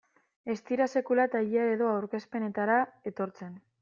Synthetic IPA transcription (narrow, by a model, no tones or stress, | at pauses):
e̞st̪iɾase̞kulat̪aʎiaeðo̞awɾke̞spe̞ne̞t̪aɾae̞t̪o̞ɾt͡se̞n